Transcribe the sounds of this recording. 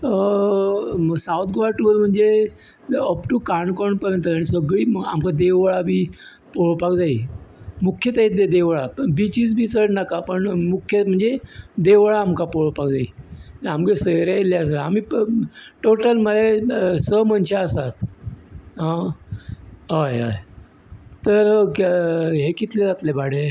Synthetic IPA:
sawt̪̚ɡʋaʈuʋəlm̤əɳd͡ze | ɔpʈukaɳɖkɔɳpəɾjənt̪əaɽ̃isəɡɭiːa̰mkad̪eʋɭabʱiː | poɭopakd͡zaiːmukʰːjət̪aid̪ed̪eʋɭaəbit͡ɕiːd͡z̬bʱiːt͡səʈnakapəɳmukʰjəm̤əɳd͡zed̪eʋɭaːmkapoɭopakd͡zaiːt̪amkesəjɾeelaəs̬eamiː | ʈoʈəlmədesəmənɕaəsat̪ | ɦã | ɦəja̰j | t̪əɾ | ɦekit̪led͡zat̪lebaɽe

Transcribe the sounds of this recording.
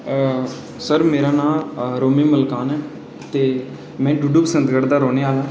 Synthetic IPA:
səɾmeːɾaːnãːɾoːmiːməlkaːnɛː | t̪eː | mɛ̃ːɖuːɖuːpəsə̃nt̪ɡəɾd̪aːɾoːneːaːlãː

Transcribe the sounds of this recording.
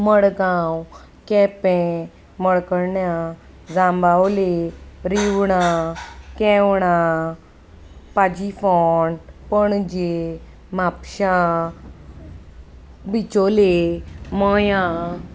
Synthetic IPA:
məɽɡãw | kɛ̃pɛ̃ | məɽkəɾɳja | d͡zãmbawleɾiwɳakɛ̃wɳa | pad͡ʑifɔnpəɳd͡ʑe | mapɕã | bit͡ɕoleməjã

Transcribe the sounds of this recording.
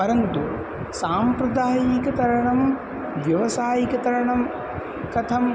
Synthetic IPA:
pɐɾɐnt̪u | saːmpɾɐd̪aːjiːkɐt̪ɐɾɐɳɐm | ʋjɐʋɐsaːjikɐt̪ɐɾɐɳɐm | kɐt̪ʰɐm

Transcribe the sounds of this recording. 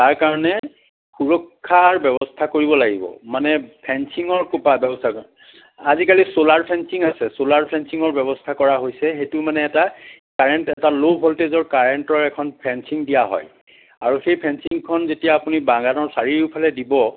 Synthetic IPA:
taɹkaɹɔnɛ | xuɹɔkʰːaɹbɛbɔstʰakoɹibɔlaɡibɔ̰manɛpʰɛnsiŋɔɹkopabɛbɔstʰa | azikalisolaɹpʰɛnsiŋasɛsolaɹpʰɛnsiŋɔɹbɛβɔstʰakɔɹaɦojsɛxetʊmanɛːta | kaɹɛntɛtalobʱɔltezɔɹkaɹentɔɹɛkʰɔnpʰɛnsiŋdijaɦɔ̰j | a̰ɹuxejpʰɛnsiŋkʰɔnzetijaːpunibãŋɡanɔɹsaɹiɹupʰalɛdibɔ

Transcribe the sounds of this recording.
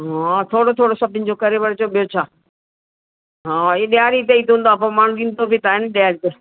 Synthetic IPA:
ɦãt̪ʰoːɽot̪ʰoːɽosɐʈɪnd͡ʑoːkɐɾeʋəɾt͡ɕoːɓijot͡ɕʰaː | ɦãːeːɗɪjaːɾit̪̬eit̪õnd̪oaːp̬ɐmaːɳ̤ũɡĩnt̪obit̪aːɦenɗjaːɾit̪e

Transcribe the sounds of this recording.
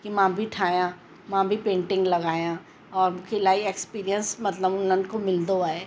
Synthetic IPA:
kimãːbʱiʈʰaːjã | mãːbʱipẽːɳʈɪ̃ŋɡlɐɡaːjã | ɔːɾmkʰɪlaːiekspiːɾijə̃nsmɐt̪ləbʊnənkomɪld̪oaːeː

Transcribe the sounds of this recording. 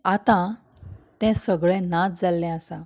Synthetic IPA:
at̪ã | t̪ɛ̃səɡɭɛ̃nat͡sd͡zalːɛ̃asã

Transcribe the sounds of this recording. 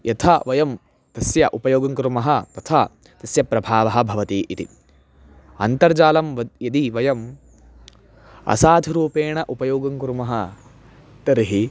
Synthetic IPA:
jʔɐt̪ʰɐʋɐjɐm | t̪ɐsjɐʔupɐjoːɡɐŋkɾumɐɦɐt̪ɐt̪ʰa | t̪ɐsjɐpɾɐbʱaːʋɐɦɐ̆bʱɐʋɐt̪iːʔit̪ḭ | ɐ̰nt̪ɐɾd͡ʒaːlɐmɐjɐd̪iʋɐjɐm | ɐ̰saːd̪ʱiɾuːpeːɳɐʔupɐjoːɡɐŋkɾumɐɦɐ | t̪ɐɾɦi

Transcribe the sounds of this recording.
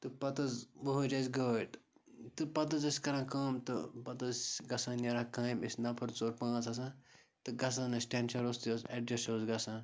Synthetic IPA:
t̪ɨpɐt̪ɐzʋoɦoɾɐːzʲɡəːʈ | t̪ɨpɐt̪̬ɐzɐsʲkɐɾãːkɐːmt̪ɨpɐt̪ɐzɡɐsãːnʲɐɾakãːjmisʲnɐpʰɐɾt͡soːɾpãːt͡sɐsãː | t̪ɨɡɐs̬ãːnɐsʈʲeːnʃɐɾoːst̪oːseɖɾesoːzɡɐsãː

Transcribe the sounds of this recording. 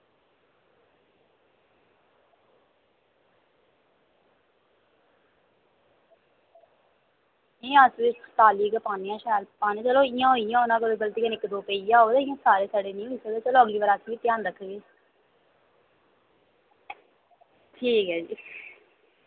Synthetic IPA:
ẽːasʋet̪aːliːkepaːnejãːʃaːjlpaːnẽt͡ʃəloːɪjãːɦoijãːoːnãːkəd̪eɡəlt̪iːkənɪkːd̪oːpəiːjãːoːd̪eɪãːsaːɾeːsaːɽeːnĩːoiseːd̪et͡ʃəloːəɡliːʋaːɾaːsʰʋiːt̪jaːnɾəkʰːɡeː | ʈʰiːkɦɛːd͡ʒiː

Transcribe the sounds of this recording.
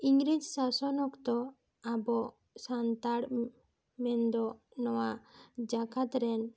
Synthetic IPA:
iŋɡɾid͡ʒsasɔnɔkt̪ɔ | abɔ | sant̪aɽ | mɛnd̪ɔnɔwad͡ʒaɡat̪ɾɛn

